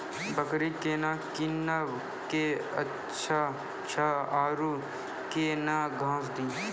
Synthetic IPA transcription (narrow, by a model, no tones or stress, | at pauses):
bəkɾikeːnaːkina | keətː | t͡ʃʰa | ʃʰaaːɾuː | keːnaːɡʱãːsd̪iː